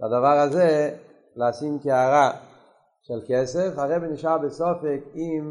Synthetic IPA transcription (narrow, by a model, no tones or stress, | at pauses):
tadavaːʁaze | lasimkeaɾa | ʃɛlˠkɛsɛfaʁɛbɪnɪʃabɪsɔfɪkim